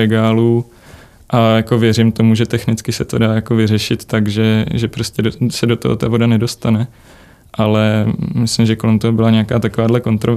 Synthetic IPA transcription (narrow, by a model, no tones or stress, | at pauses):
ɛɡaːluː | ʔajako̞vjɛɾɪmt̪o̞muʒɛt̪ɛxnɪt͡skɪsɛt̪o̞daːjako̞vɪrɛʃɪt̪ːaɡʒɛʒɛpɾo̞scʲɛdosɛdo̞t̪oɦo̰t̪avo̞danɛdo̞st̪anɛ | ʔalɛmɪslɪmʒɛko̞lɛmt̪oɦobɪlaɲɛakaːt̪akovaːdlɛko̞nt̪ɾo̞v